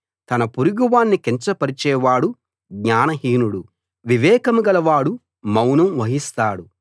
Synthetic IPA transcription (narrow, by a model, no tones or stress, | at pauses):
t̪ɐnɐpuɾuɡuʋaːnːikeɲt͡ʃɐpɐɾit͡ʃɛːʋaːɽu | ɡɲaːnɐɦiːnuɽu | ʋiʋɛːkɐmuɡɐlɐʋaːɽu | mɐwnɐmʋɐɦist̪aːɽu